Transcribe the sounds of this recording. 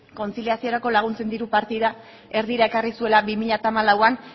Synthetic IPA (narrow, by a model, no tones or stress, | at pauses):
ko̞nt͡siliasio̞ɾako̞laɣ̞unt͡se̞nd̪iɾupaɾt̪iða | e̞ɾðiɾae̞karisue̞labimiʎat̪aːmalawan